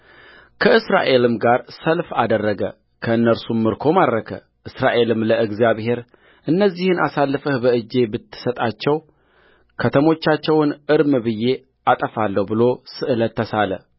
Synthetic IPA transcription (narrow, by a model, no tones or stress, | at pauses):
kʰəɨsɾa̰ʔe̞lɨmɡaɾsəlfad̪ərːəɡə̰ | kʰəɨnːəɾsumːɨɾkʰo̞maɾːəkʰə̰ | ʔɨsɾaʔe̞lɨmləʔɨɡzijaβhe̞ɾ | ʔɨnːəzːihɨnʔasalːɨfəhbəʔɨd͡ʒːe̞bɨt̪ʰːɨ̥sət̪ʼat͡ʃːɛw | kʰət̪ʰəmo̞t͡ʃːat͡ʃːɛwnɨɾmɨbɨjːe̞ | at̪ʼəfalːəhbɨlo̞sɨʔɨlət̪ːəsalə̰